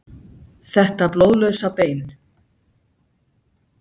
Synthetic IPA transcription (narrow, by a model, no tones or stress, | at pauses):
θɛht̪aplowðlœsapeːjn